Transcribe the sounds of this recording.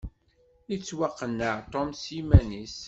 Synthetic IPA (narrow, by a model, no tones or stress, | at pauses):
it͡sːwaqːənːəʕt̪ˤɔmsimænis